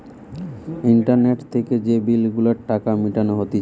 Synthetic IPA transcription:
iɳʈaɾneʈt̪ʰeked͡ʑebilɡulaɾʈakamiʈanoɦot̪i

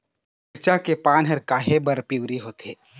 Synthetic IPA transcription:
ɪɾt͡ʃakepaːnɦəɾkaːɦebəɾpiwɾiɦoːt̪ḛː

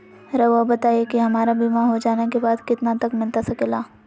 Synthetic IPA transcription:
ɾəʋobɐt̪aːiekiɦɐmaːɾabimaɦod͡ʒaːnekebaːd̪kɪt̪nat̪ɐkmɪlt̪asɐkeːlaː

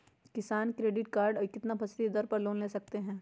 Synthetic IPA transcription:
kɪsaːnkɾeːɖɪʈkaːɾɖkɪt̪napʰɐst̪id̪ɐɾpɐɾloːnleːsɐk̚t̪eɦɛ̃ː

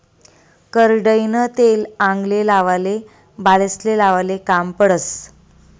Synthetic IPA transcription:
kəɾɖəjnət̪elãŋɡlelaʋale | baləslelaʋalekampəɽət͡s

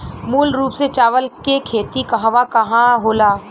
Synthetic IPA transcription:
muːlɾuːpset͡ʃaːʋəlkekʰeːt̪ikɐɦʋakɐɦãɦoːlaː

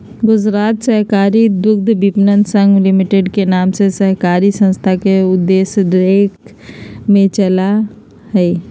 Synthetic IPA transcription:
ɡʊd͡ʒɾaːt̪səɦkaːɾid̪ʊkd̪ʱbipnənsə̃ŋɡlɪmiʈeɖkenaːmsesəɦkaːɾisə̃nst̪ʰakeʊd̪ːeːsɖɾeːk | mẽt͡ʃəla | ɦɛ

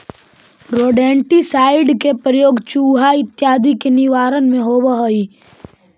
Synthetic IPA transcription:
ɾoːɖɛ̃ːɳʈisaːɪɖkepɾəjoːɡt͡ʃuːɦaɪt̪jaːd̪ikenɪʋaːɾənmẽɦoːbəɦəi

